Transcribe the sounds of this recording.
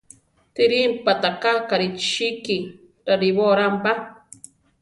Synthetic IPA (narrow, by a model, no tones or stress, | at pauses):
t̪iɾimpat̪akakaɾiʃiki | ɾaɾiβoɾampa